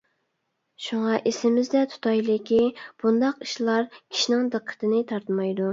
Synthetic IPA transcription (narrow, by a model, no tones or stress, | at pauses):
ʃuŋɑʔesɪmɪzd̪ɛt̪ʰu̥t̪ʰɑjlɪkʲʰib̥und̪ɑqi̥ʃlˠɑɾkʲʰi̥ʃinɪŋd̪ɨqʰːə̥t̪ʰɨnɪt̪ʰɑɾt̪mɑjd̪u